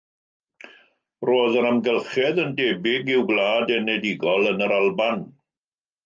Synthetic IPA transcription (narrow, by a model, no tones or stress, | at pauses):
roːðəɾamɡɛlˠχɛðəndeːbɪɡɪwɡlˠaːdɛnɛdɪɡɔlˠənəɾalˠban